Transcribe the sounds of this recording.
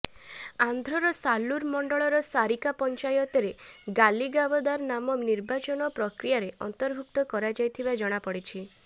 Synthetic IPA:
and̪ʱɾɔɾɔsaluɾmɔɳɖɔɭɔɾɔsaɾikapɔnt͡ʃajɔt̪ɔɾeɡaliɡabɔd̪aɾnamɔniɾbat͡ʃɔnɔpɾɔkɾijaɾeʔɔ̰nt̪ɔɾbʱuk̚t̪ɔkɔɾad͡ʒajt̪ʰibad͡ʒɔɽ̃apɔɽit͡ʃʰi

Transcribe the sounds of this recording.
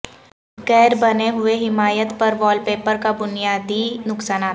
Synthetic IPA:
ɡɛːɾbɐneɦʊeɦɪmaːjət̪pɐɾʋɔːlpeːpəɾkabʊnijaːd̪inʊksaːnaː

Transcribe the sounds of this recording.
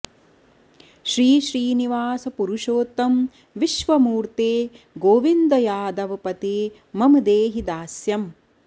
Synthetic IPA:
ʃɾiːʃɾiːniʋaːsɐpuɾuʃoːt̪ːɐm | ʋiʃʋɐmuːɾt̪eː | ɡoːʋind̪ɐjaːd̪ɐʋɐpɐt̪eː | mɐmɐd̪eːɦid̪aːsjɐm

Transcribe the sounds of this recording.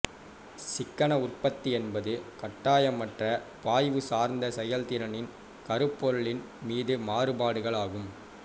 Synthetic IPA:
sɪkːɐɳɐʊrpɐt̪ːiɛnbɐðɯkɐʈːaːjɐmɐʈrɐpaːjʋɯsaːɾnd̪ɐsɛjɐlt̪ɪɾɐnɪn | kɐɾɯpːɔɾɯɭɪn | miːðɯmaːrɯbaːɽɯɣɐɭaːɣɯm

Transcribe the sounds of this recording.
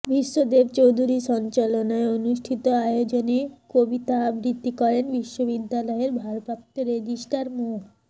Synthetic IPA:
bʱiʃːod̪ebt͡ɕowd̪ʱuɾiʃɔnt͡ɕalonaeonuʃʈʰit̪oajod͡ʑonekobit̪abɾit̪ːikɔɾenbiʃːobid̪ːalɔeɾbʱaɾpapt̪ːoɾed͡ʒiʃʈaɾmo

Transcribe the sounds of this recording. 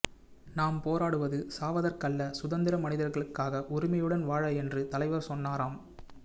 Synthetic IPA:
naːmpoːɾaːɽɯʋɐðɯsaːʋɐðɐrkɐɭːɐsʊðɐnd̪ɪɾɐmɐnɪðɐɾɣɐɭɯkːaːɣɐʔʊɾɪmɐjɯɽɐnʋaːɻɐɛndrɯt̪ɐlɐɪʋɐɾsɔnːaːɾaːm

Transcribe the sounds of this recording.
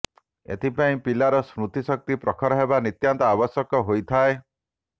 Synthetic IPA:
ḛt̪ʰipaĩpilaɾɔsɾut̪isɔk̚t̪ipɾɔkʰɔɾɔɦebanit̪jant̪ɔabɔsjɔkɔɦojt̪ʰae

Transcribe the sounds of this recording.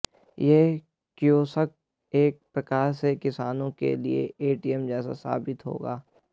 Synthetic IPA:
jeː | kjoːsək̚ | eːk̚pɾɐkaːɾsekɪsaːnõkḛliḛeːʈiɛmd͡ʒɛːsa̰sa̰ːbɪt̪ɦo̰ːɡaː

